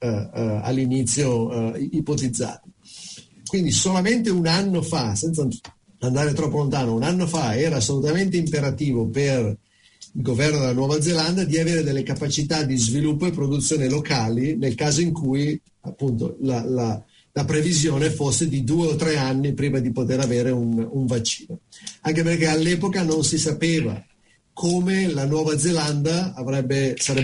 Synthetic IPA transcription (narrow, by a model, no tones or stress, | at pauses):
a̰lːinit̪sːjoipot̪id̪zːa̰ːt̪e | kwind̪isolament̪eunanːofasɛnt̪sa | and̪aːɾet̪ɾɔpːolont̪aːnounanːofaɛːɾaːsːolut̪ament̪eimpeɾat̪iːvoper | ilɡovɛrnod̪elanwɔːvad̪zeland̪ad̪iaveːɾed̪elːekapat͡ʃit̪ad̪izvilupːoepːɾod̪ut̪sjoːnelokaːlinelkaːzoiŋkʰuj | apːunt̪o̰lala | lapɾevizjoːnefosːed̪id̪uːeot̪ːɾɛanːipɾiːmad̪ipot̪eɾaveːɾeunuɱvat͡ʃːi̥ːnoaŋkeperkealːɛːpokanonsisapeːva̰ | kʰoːmelanwɔːvad̪zeland̪aavɾɛbːesaɾɛ